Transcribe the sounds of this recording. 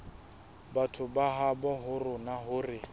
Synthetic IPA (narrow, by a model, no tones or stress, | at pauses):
batʰʊbaɦabɔɦʊrʊnaɦʊrɪ